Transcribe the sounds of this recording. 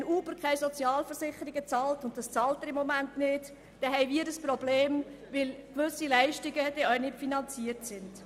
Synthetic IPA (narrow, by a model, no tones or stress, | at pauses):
ɛnuːbəɾkχɛɪsɔt͡sjɑːlfəɾsɪχəɾiɡət͡sɑːltʊntd̥ɑst͡sɑːltɛɾɪmːɔmæntnɪːt | d̥ɛɦɛɪʋiːəɾəspɾɔbleːmʋɪlkʋʏsilæɪʃtiɡəd̥ɛœʏnɪpfinɑnt͡siəɾtsɪnd̥